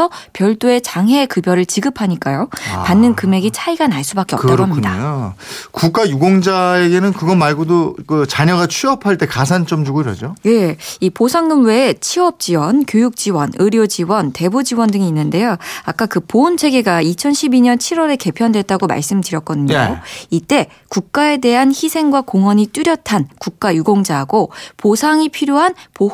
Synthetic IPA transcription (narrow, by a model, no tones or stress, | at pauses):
ʌpjʌɭt͈oe̞t͡ɕaŋɦe̞kɯbjʌɾɯɭt͡ɕiɡɯpʰaɲik͈ajopanːɯnkɯme̞ɡit͡ɕʰaiɡanaɭs͈ubak͈eʌt͈aoaɦaɲidaokuk͈ajuɡoŋd͡ʑaeɡe̞nɯnkɯɡʌmaɭɡodokɯt͡ɕaɲʌɡat͡ɕʰɥiʌpʰaɭt͈e̞kas̬ʰant͡ɕ͈omd͡ʑuɡoiɾʌ̰d͡ʑoje̞iposʰaŋɡɯmwe̞t͡ɕʰiʌp̚t͡ɕ͈iwʌnkjojuk̚t͡ɕ͈iwʌnɯɾjod͡ʑiwʌnte̞bud͡ʑiwʌndɯŋiːnːɯnde̞joak͈akɯpoɯnt͡ɕʰe̞ɡe̞ɡait͡ɕʰʌnɕʰibiɲʌnt͡ɕʰiɾwʌɾe̞ke̞pʰjʌndwe̞t̚t͈aɡoma̰ɭs͈ɯmdɯɾjʌk̚k͈ʌdɯɲoit͈e̞ | kuk̚k͈ae̞de̞ɦançisʰe̞ŋɡwakoŋwʌɲit͈uɾjʌtʰankuk̚k͈ajuɡoŋd͡ʑaɦaɡoposʰaŋipʰiɾjoɦanpo